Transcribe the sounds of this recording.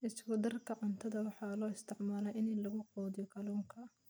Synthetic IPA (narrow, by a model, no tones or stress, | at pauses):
ʔɪskʊd̪ɐrkʰɐqɑnt̪ʰɐðɐwɑħɑːlɔːɪst̪ʰɪʕmaːlɛjʔɪnlɐɣʊqɔːðɪjɔkʰɐluːŋkʰɐ